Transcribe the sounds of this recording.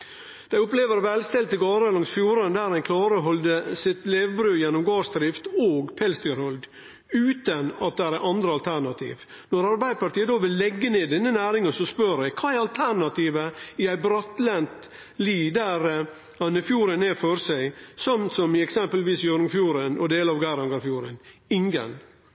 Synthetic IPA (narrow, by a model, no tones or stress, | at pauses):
d̪̥æɪʊpleːʋəɾʋɛlst̪ɛlt̪əɡɑːɾəlɑŋsfjuːɾənd̪æːɾhænkʰlɑːɾəɦɔld̪əsɪt̪leːʋbɾʉːjɛnːɔmɡɑːʂd̪ɾɪft̪oːɡpʰɛlst̪ɪɾɔld̪ | ʉːt̪ənɑt̪̚d̪ɛæɾæɑnd̪ɾəɑlt̪ʰæɾɳɑt̪ʰḭːʋ | nɔɾɑɾbæɪd̪əpɑʈ̪iːəd̪oːʋɪlːɛɡːəneːd̪ɛnːənæːɾɪŋənsɔspœɾæɪkʰɑːæɾɑlt̪ʰæɾɳɑt̪iːʋəɪæɪbɾɑt̪lɛnt̪ | liːd̪æɾ | hɑnɪfjuːɾənɛfɔɾsæɪsɔmt̪sɔmɪɛksɛmpəlʋiːsjøɾŋfjuːɾənɔd̪eːləɑʋɡæɪɾɑŋɡɑɾfjuːɾənɪŋɡə̰n